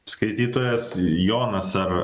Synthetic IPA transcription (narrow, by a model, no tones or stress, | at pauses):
skɐɪt̪ʲiːt̪oːjɛsjoːnɐsɐr